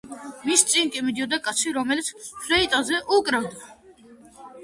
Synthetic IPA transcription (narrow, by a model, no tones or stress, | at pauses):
mist̪t͡s̪ʼiŋkʼimid̪ijɔd̪ɛkʼat̪sʰiɾɔmɛlit͡s̪ʰfɾɛit̪ʼazɛʔukʼɾavd̪a